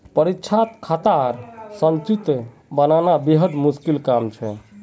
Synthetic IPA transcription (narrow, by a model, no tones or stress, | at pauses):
pəɾitːt͡ʃʰat̪kʰat̪aɾsənt͡ʃit̪ | bənanabeɦəɖ̪muskilkamt͡ʃʰɛ